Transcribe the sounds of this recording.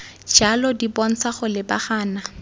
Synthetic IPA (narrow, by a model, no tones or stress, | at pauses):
d͡ʒalɔdibɔn̩t͡sʰaχʊlɪbaχaːna